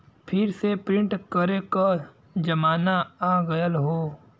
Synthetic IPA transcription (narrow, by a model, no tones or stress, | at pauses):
pʰɪɾsepɾɪ̃ɳʈkəɾeka | d͡ʒɐmaːnaaːɡɐjəlɦoː